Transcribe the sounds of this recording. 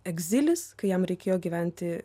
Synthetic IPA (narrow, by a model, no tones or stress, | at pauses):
ɛɡʲzʲɪlʲɪskɐɪjɛmɾʲɛɪkʲeːjoːɡʲiːʋʲæˑnʲt̪ʲɪ